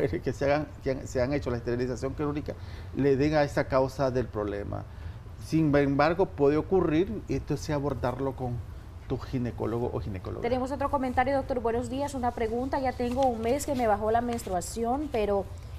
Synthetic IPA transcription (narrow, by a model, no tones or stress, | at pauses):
eɾekeseaɣaŋkeaŋseaŋe̞t͡ʃolaest̪eɾilisasjo̞ŋkeɾuɾikale̞ðeŋaest̪akawsaðe̞lpɾo̞βle̞̰mʔa̰ | simembaɾɣo̞pwe̞ðeo̞kuriɾent̪oseaβo̞ɾt̪aɾlo̞ko̞n | t̪usxineko̞̰loɣoʔo̰xinekolo̰t̪ene̞mo̞so̞t̪ɾo̞ko̞ment̪aɾjo̞ðo̞k̚t̪o̞ɾbwe̞no̞zd̪iasunapɾe̞ɣunt̪aʝat̪e̞ŋɡo̞uŋme̞ske̞me̞βaxo̞lamẽ̞nst̪ɾuasjo̞npe̞ɾo̞